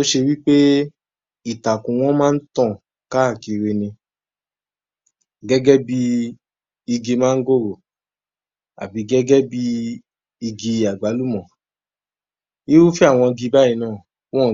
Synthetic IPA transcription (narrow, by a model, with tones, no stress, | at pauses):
to˦ʃe˧wi˦k͡pe˦ | i˦˨ta˨kũ˨w̃ɔ̃˦mãː˦n̩˦tã˦˨ | ka˦a˦˨ki˧ɾe˧nĩ˧ | ɡɛ˦ɡɛ˦bi˦ | i˧ɡi˧mãː˦n̩˦ɡo˦˨ɾo˨ | a̰˨bi˨˧ɡɛ˦ɡɛ˦bi˦ | i˧ɡi˧a˨ɡ͡ba˨˦lu˦˨mɔ̃˨ | i˦wu˦fi˦a˦˨w̃ɔ̃˧ɡi˧ba˦i˧˦nãː˦˨ | w̃ɔ̃˦˨